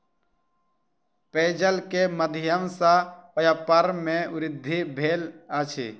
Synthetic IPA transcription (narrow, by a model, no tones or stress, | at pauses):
peːd͡ʒəlkeməd̪ʱɪjəmsapəjapəɾmẽʊɾɪd̪ʱːibʱeːlat͡ʃʰḭ